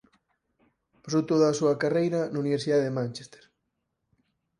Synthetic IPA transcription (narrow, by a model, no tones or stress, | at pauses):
pasowt̪oðɐːsuɐkarejɾɐnauniβeɾsiðaðemãnʲt͡ʃe̥st̪e̥ɾ